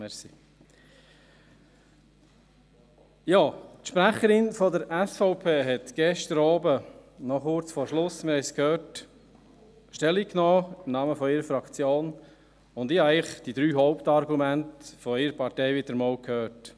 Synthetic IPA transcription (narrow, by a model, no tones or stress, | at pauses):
mɛsi | jɑːtʃpɾæχəɾɪnfɔdəɾɛsfɔʊpʰeːɦɛtɡ̥ɛʃt̪əɾɑːbənɔχʊɾt͡sfɔːɾʃlʊsmɪɾhɛɪskʰhøːɾt | ʃtɛlːikːnoːɪmnɑməfɔiɾəfɾɑkt͡sjoːn | ʊnd̪ɪːhɑɛɪχd̥id̥̪ɾyːɦɔʊpt̪ɑɾɡumæntfɔɪɾəpʰɑɾtɛɪʋɪd̥̪əɾmɔːlkʰhøːt